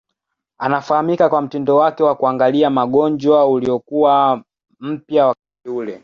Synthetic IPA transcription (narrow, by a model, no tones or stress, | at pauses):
anafahamikakwam̩tindɔwakɛwakuaŋɡaliamaɠɔɲd͡ʒwauliɔkuwa | m̩pjawakatiulɛ